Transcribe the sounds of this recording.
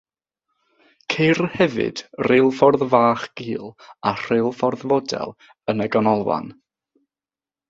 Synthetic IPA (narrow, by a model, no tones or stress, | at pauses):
kʰejrhɛvɨ̰d̥relˠfɔrðvaːχɡ̥iːlˠar̥elˠfɔrðvɔdɛ̰lˠ | ənəɡɔnɔlˠwa̰n